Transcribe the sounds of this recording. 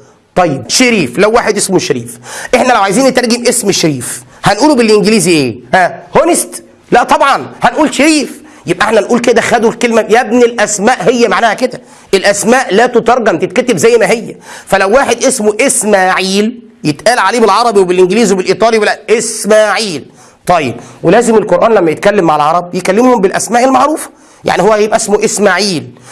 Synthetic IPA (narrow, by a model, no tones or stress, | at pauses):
t̪ˤɑjːebʃeɾiːflæwːaːħed̪ʔesmoʃeɾḭːfʔeħnælæwʕajziːnːet̪ɑɾɡemʔesmʃeɾiːf | hænʔuːlubelʔɪŋɡɪliːziʔeːhæhonest̪ | læʔt̪ˤɑbʕɑnhænʔuːlʃeɾiːf | jeb̚ʔæʔeħnæhænʔuːlked̪æxæd̪ulkelmæjæbnilʔæsmæːʔhejːæmaʕnæːhæked̪æ | ʔelʔæsmæːʔlæːt̪ot̪ɑɾˤɡæmt̪et̪̚kæt̪ebzæjːmæɦejːæfælæwːaːħed̪ʔesmoʔesmaːʕiːl | jet̪ʔæːlʕaleːbelʕɑɾˤɑbiwebelʔɪnɡliːzwebelʔiːt̪ˤɑːliwelæʔʔesmæːʕiːl | t̪ˤɑjːḛbwelæːzɪmelqoɾʔæːnlæmːæjet̪̚kælːemːaʕalʕɑɾˤɑb̚jekælːemhombelʔæsmæːʔelmɑʕɾuːfɑ̥ | ja̰ʕnihowːæjebʔæsmoʔesmaːʕiːl